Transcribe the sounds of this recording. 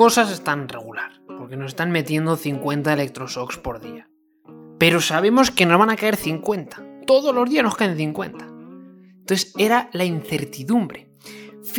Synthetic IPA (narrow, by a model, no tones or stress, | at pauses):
o̞sase̞st̪anre̞ɣulaɾpo̞ɾke̞no̞se̞st̪anme̞t̪je̞nd̪o̞θiŋkwe̞nt̪aele̞k̚t̪ɾo̞so̞kspo̞ɾðḭa | pe̞ɾo̞saβ̞e̞mo̞ske̞no̞zβanakae̞ɾθiŋkwe̞nt̪ḁt̪o̞ðo̞zlo̞zðiazno̞skaen̟θiŋkwe̞̰nt̪ḁ | oθese̞ɾalainθe̞ɾt̪iðumbɾe̞ | f